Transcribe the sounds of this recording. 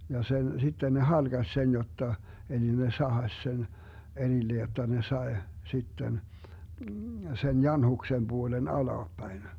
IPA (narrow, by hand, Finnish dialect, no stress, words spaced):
jɑ sen sitːe ne hɑlɡ̊ɑs sen jotːɑ eli ne sɑhɑsʲ sen erilːe jotːɑ ne sɑe sitːen sen jɑnhuksem b̥uolen ɑlɑːpːæin